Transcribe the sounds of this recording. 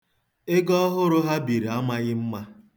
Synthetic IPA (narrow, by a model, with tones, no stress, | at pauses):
ɪ˦ɡɔ˦ɦʊ˦ɾʊ˦ɦa˦bi˨ɾi˨a˦ma˦ɣɪ˦m̩˦ma˦